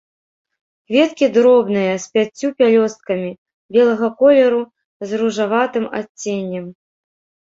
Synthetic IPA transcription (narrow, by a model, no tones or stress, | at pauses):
kvʲɛt̪kʲid̪ɾɔbnɨjɐsʲpʲat͡sʲːupʲalʲɔst̪̚kɐmʲi | bʲɛlˠɐɣɐkɔlʲɛɾu | zruʐavat̪ɨma̰t͡sʲːenʲːɛm